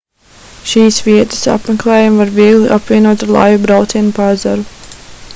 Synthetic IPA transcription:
ʃiːsviɛt̪ə̥sa̰pmeklˠɛːjamvaɾviɛɡlˠiʔapvʲiɛnuɔt̪aɾlˠa̰jubɾawt̪siɛnupazaɾu

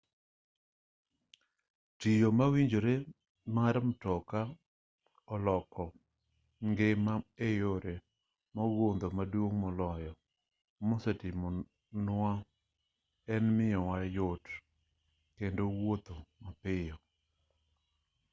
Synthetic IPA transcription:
tijomawiɲd͡ʒoɾe | maɾmtɔka | ɔlɔkɔ | ŋɡemaejoɾe | mɔɡond̪omadwoŋmɔlɔjɔ | mɔsetɪmɔ | na | ɛnmɪjɔwajot | kendowot̪omapɪjɔ

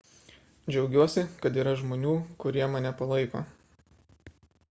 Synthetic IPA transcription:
d͡ʒʲɛʊɡʲuɔsʲɪkɐt̪iːɾɐʒmoːnʲuːkʊɾʲiɛmɐnʲɛpɐlˠɐɪko̰ː

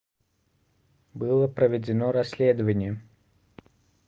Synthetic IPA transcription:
bɨlˠəpɾəvʲɪd͡zʲɪnoɾɐsʲlʲed̪əvənʲɪjə

